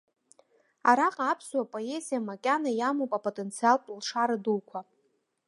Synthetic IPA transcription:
aɾaqʼaːpʰswapʼoezijamakʲʼanajamopʼapʼotʼent͡sʰialpʼlʂaɾadulkʷʰa

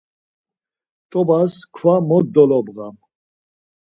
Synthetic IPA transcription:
t̪ʼɔbaskʰvamɔd̪ɔlɔbɣam

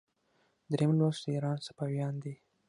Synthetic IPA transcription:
d̪ɾemlwasd̪iɾɑnsḁpɑwjɑnd̪i

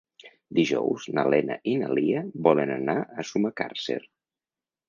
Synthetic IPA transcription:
d̪iʒɔwznəlɛnə̰ʔinəliəβɔlənənaəsumaka̰rsḛɾ

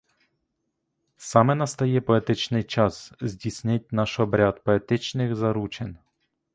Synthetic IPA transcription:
sɑmɛnɐst̪ɐjɛpɔet̪ɪt͡ʃnɪjt͡ʃɑszʲdʲisʲnʲɪt̚ʲnɑʃɔbɾʲat̪pɔet̪ɪt͡ʃnɪxzɐɾut͡ʃenʲ

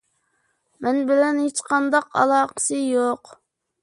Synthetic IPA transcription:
mɛnbɪlɛnhet͡ʃqʰɑnd̪ɑqɑ̰lˠɑːqə̥sɨjoq

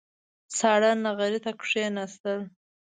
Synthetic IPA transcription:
sɑːɽanːaɣaɾit̪akʂenast̪əl

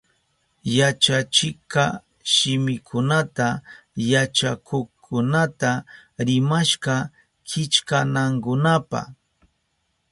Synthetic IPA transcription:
jat͡ʃat͡ʃɪkɑ | ʃɪmɪkʰʊnat̪a | jat͡ʃakʰokʰʊnat̪aɾɪmaʃɢɑ | kʰɪt͡ʃkanaŋkʊnapɑ̰

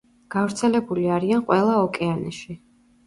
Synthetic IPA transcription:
ɡ̥avɾt̪sʰɛlɛbuliaɾianqʼwɛlˠaɔkʼɛanɛ̰ʃi

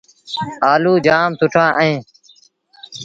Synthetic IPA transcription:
aːluːd͡ʒaːmt̪ʊʈʰãːʔəẽː

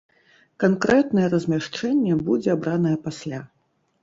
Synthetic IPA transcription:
kankɾɛt̪nɐjɛɾɐzʲmʲaʂt͡ʂɛnʲːɛbud͡zʲɛabɾanɐjɛpasʲlʲa

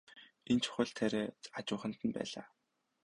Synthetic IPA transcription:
ent͡ɕʰɵ̥xʲə̆ɮt̪ʰæɾeːat͡ɕʊːχə̆n̥t̪ə̆npæ̰ːɮaː

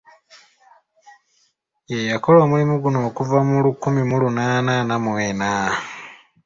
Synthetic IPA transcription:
jejako̞loːmulimuɡuno̞ːkuvamulukumimulunaːnanamweːna

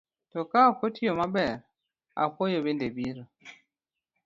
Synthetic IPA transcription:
tɔkapotijɔmabɛɾ | a̰kɔjɔbendebiɾɔ

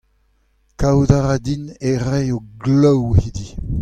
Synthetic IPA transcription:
kawdaʁad̪ineʁɛjoɡlɔwhid̪i

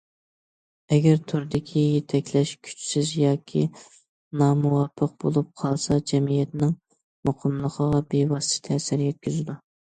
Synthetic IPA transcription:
ɛɡʲɛɾt̪ʰʊɾd̪ɪkʲʰijet̪ʰɛkʲʰlɛʃkʲʰy̥t͡ʃsɪzjɑːkʲʰi | nɑːmuwɑpʰːəq̚bolˠup̚qʰɑlˠsɑd͡ʒɛmijɛt̪nɪŋ | moqʰəmlˠəqʰəʁɑbewɑst̪ɪ̥t̪ʰɛːsɪɾjɛt̪̚kʲyzɪd̪u

